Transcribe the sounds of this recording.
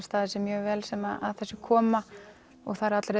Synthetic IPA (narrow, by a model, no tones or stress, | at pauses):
st̪θaðɪsɛmːjœːvɛːlsɛmaða̰ðθɛsːʏkʰɔːma | ɔ̰ɣθaðɾat̪lɾe